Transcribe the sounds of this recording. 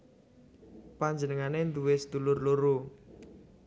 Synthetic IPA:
paɲd͡ʒənəŋanend̪uwesəd̪ulʊrloɾo

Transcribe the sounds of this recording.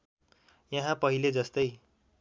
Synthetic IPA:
jʌɦãpʌɦiled͡zʌst̪ʌj

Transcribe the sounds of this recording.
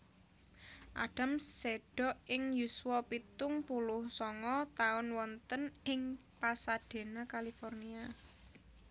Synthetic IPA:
ʔa̰ɖ̥a̤mseɖ̥ɔ̤ʔʔɪŋjuswɔpit̪ʊŋpulʊhsɔŋɔt̪aʊnwɔnt̪ənɪŋpasad̥e̤nakalifɔrnia

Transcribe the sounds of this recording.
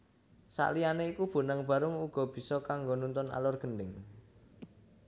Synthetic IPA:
sa̰ʔlianeikub̥o̤naŋb̥ä̤ɾʊŋuɡ̥ɔ̤b̥i̤sɔkaŋɡonunt̪ʊna̰lʊrɡ̥ə̤ndɪŋ

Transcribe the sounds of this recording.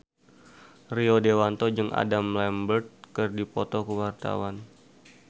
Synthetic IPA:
riodewant̪ɔd͡ʒɨŋʔa̰damlɛmbərt̪̚kərdipɔt̪ɔkuwart̪a̰wan

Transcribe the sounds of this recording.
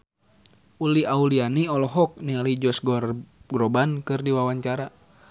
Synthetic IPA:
uliaulianiɔlɔɦɔk̚nialid͡ʒɔsɡɔrɡɾɔbankɨrdiwawaɲt͡ʃaɾa

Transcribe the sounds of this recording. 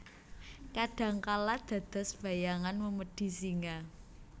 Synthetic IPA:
kaɖ̥ä̤ŋkalad̪̥ä̤d̪̥a̤sb̥ä̤jaŋanməməɖ̥i̤siŋa

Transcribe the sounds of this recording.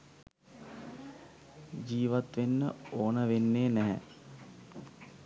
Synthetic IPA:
d͡ʒiːʋat̪ʋenːə̰oːnəʋenːeːnɛɦɛ̰

